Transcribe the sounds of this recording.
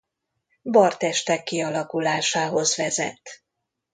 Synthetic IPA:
bɒrt̪ɛʃt̪ɛkːiɒlɒkulaːʃaːɦo̞zʋɛzɛ̰t̪ː

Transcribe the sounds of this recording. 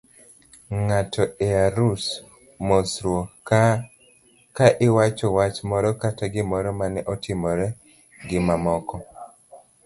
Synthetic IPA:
ŋatʰɔɛaɾus | mosɾwo | kaʔɪwat͡ʃɔwat͡ʃmɔɾɔkataɡɪmɔɾɔmanɛʔɔtʰɪmɔɾɛ | ɡɪmamɔkɔ

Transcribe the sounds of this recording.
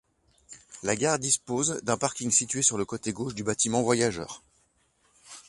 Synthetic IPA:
laɡaʁd̪ispozd̪ɛ̃paʁkʲiŋsit̪ɥesyʁləkot̪eɡoʃd̪ybat̪imɑ̃vwajaʒœ̰ːʁ

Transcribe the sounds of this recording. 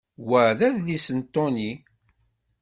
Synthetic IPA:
wəʕðæðlisənt̪ːʊni

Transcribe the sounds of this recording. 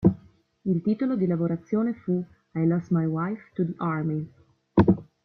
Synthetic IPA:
ilt̪iːt̪olod̪ilavoɾat̪sːjoːnefu | ajlɔsmajwajft̪ud̪iʔaɾmi

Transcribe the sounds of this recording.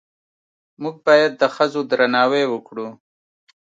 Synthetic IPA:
muɡ̚bɑjad̪̚ːəxəzod̪ɾanɑːwewəkɽu

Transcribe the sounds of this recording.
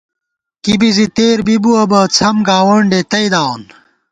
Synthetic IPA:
kibizit̪eːɾbibuɐbɐt͡sʰɐmɡaːwɐɳɖet̪ɐid̪aːwn

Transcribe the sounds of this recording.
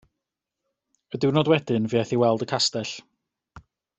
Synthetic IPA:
ədɪwnɔːdwɛd̥ɪnviːɛθiwɛlˠdəkʰastɛɬ

